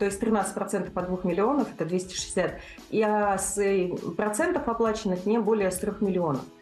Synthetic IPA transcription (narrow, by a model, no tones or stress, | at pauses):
t̪o̞ɪsʲt̪ɾʲɪnat̪sɨtʲpɾɐt̪sɛnt̪ə̥fɐd̪vuxmʲɪlʲɪo̞nəfɛt̪əd̪vʲesʲtʲɪ̥ʂɨ̥at̪̚ | iasɛpɾɐt̪sɛnt̪əfɐplˠat͡ɕɪnːɨxnʲebo̞lʲɪjəst̪ɾʲo̞xmʲɪlʲɪo̞nə̰f